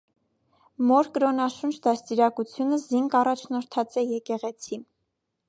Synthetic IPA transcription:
mɔɾkəɾɔnɑʃunt͡ʃʰd̪ɑst̪iɾɑkut͡sʰjunəziŋɡɑrɑt͡ʃʰnɔɾt̪ʰɑt͡sɛjɛkɛʁɛt͡sʰi

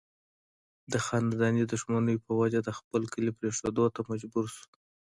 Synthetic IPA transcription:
d̪əxɑnad̪ɑnid̪ʊʃmanəjopəwad͡ʒad̪əxpəlkəlipɾeʂod̪ot̪amad͡ʒbuɾʃu̥

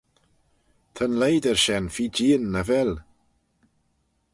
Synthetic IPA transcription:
t̪ʰənlejdərʃɛnfiːd͡ʒiːənːəvɛl

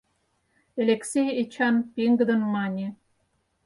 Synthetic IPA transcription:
elʲeksʲejet͡ɕɑnpʲeŋɡə̆d̪ɤ̆nmɑnʲe

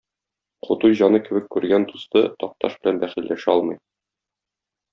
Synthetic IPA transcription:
qʰŏt̪ujʑɒnɤkɘ̆bɘkːʉɾɡænd̪ust̪ɤt̪ɒq̚t̪ɑ̰ʃbɘ̆lænbæχilːæʃɒlˠmɤ̆j

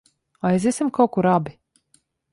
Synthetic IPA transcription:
ajzʲisimkawkuɾabi

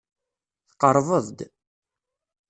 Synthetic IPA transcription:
θqːəɾˤvəðˤd̪

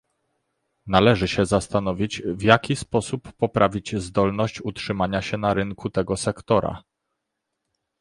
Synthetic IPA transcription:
nalɛʐɘɕɛzast̪anɔvʲid͡ʑvjakʲispɔsupːɔpɾavʲid͡ʑzd̪ɔlnɔɕt͡ɕutʂɘmaɲaɕɛnaɾɘŋkut̪ɛɡɔsɛkt̪ɔɾa̰

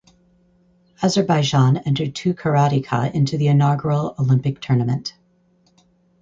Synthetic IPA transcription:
æzə˞baɪd͡ʒɑ̃nɛ̃ntə˞d̚tʰʉkʰə˞ɑɾikʰə̰ʔɪ̃ntʰʉðiɨnɑɡɹl̩ˠolɪ̃mpɨk̚tʰɜ˞nɨmɨ̃nt

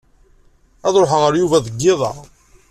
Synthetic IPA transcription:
ɑðˤɾoħʁəɾjuvæðəɡːɪðˤɑ̰

